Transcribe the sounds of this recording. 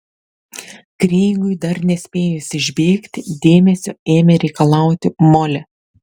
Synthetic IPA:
kɾʲeɪŋɡʊɪd̪ɐɾnʲɛsʲpʲeːjʊsʲɪʒʲbʲeːkt̪ʲɪd̪ʲeːmʲɛsʲoːeːmʲɛɾʲɛɪkɐlˠɑˑʊt̪ʲɪmɔlʲɛ

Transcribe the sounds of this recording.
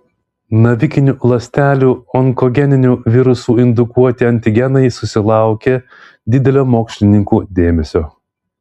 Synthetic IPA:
nɐʋʲɪkʲɪnʲuːlˠɐsʲt̪ʲæːlʲuːɔŋkɔɡʲɛnʲɪnʲuʋʲɪɾʊsuːɪnd̪ʊkuɔt̪ʲɪɐnʲt̪ʲɪɡʲɛnɐɪsʊsʲɪlˠɑˑʊkʲe | d̪ʲɪd̪ʲɛlʲoːmoːksʲlʲɪnʲɪŋkuːd̪ʲeːmʲɛsʲoː

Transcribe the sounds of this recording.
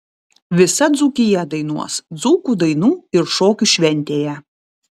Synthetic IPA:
ʋʲɪsɐd̪zuːkʲɪjɛd̪ɐɪnuɔsd̪zuːkuːˑd̪ɐɪnuːɪɾʃoːkʲuˑʃʲʋʲɛnʲˑt̪ʲeːjɛ

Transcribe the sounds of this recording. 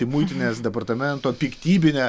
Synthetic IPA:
ɪmuɪt̪ʲɪnʲeːsd̪ʲɛpɐrt̪ɐmʲɛnt̪oːpʲikt̪ʲiːbʲɪnʲeː

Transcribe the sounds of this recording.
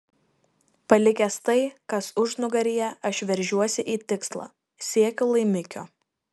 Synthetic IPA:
pɐlʲɪkʲɛst̪ɐɪkɐsʊʒnʊɡɐɾʲiːjɛɐʃʲʋʲɛɾʲʒʲuɔsʲɪʔiːt̪ʲɪkslˠɑ̰ː | sʲiɛkʲʊlˠɐɪmʲɪkʲoː

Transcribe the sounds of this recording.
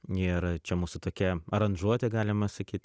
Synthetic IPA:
ɪɾt͡ʃʲɛmuːsʊt̪oːkʲɛɐɾɐnʒuɔt̪ʲɛɡɑːlʲɪmɐsɐkʲiːt̪ʲ

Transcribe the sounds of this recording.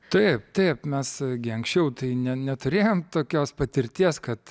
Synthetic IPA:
t̪ɐɪpt̪ɐɪpmʲɛsɡʲɪɐŋksʲt͡ʃʲɛʊt̪ɐɪnʲɛnʲɛt̪ʊɾʲeːjoːmt̪oːkʲoːspɐt̪ʲɪɾʲt̪ʲiɛskɐt̪

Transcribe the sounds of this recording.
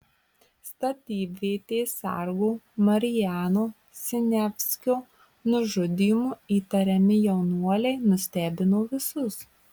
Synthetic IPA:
st̪ɐt̪ʲiːbʲʋʲeːt̪ʲeːsʲɛ̰ɾɡuːmɐɾʲɪjæːnoː | sʲɪnʲæpʲsʲkʲoː | nʊʒʊd̪ʲɪjmuːiːt̪ɐɾʲɛmʲɪjɛʊnuɔlʲɛɪnʊsʲt̪ʲæːbʲɪnoːʋʲɪsʊs

